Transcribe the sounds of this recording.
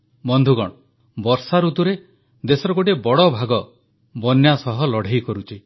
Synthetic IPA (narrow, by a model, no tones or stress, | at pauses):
bɔnd̪ʱuɡɔɽ̃ɔ | bɔɾsaɾut̪uɾe | d̪esɔɾɔɡoʈebɔɽɔbʱaɡɔ | bɔnjasɔɦɔlɔɽ̤ʱejkɔɾut͡ʃʰi